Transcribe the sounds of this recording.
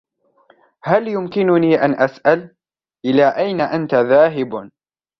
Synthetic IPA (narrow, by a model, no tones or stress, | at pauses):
haljʊmkɪnʊniːʔanʔasʔal | ʔɪlaːʔajnaʔant̪aðaːɦɪb